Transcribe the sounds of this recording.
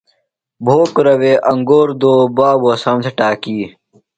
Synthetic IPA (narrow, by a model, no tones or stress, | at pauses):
bʱoːkɾɐweːʔɐŋɡoːɾd̪oːbaːbuɐsaːmt̪ʰeʈaːkiː